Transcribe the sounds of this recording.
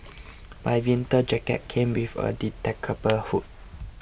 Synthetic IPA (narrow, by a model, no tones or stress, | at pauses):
majwĩntəd͡ʒɛkɛ̰t̚kʰẽmwifə̰ditɛkʰəbəhut̚